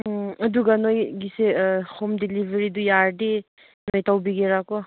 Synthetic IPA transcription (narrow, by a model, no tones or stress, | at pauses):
ɐduɡanojɡisehʰomdilibʱeɾidujaɾde | nojtawbiɡeɾakɔ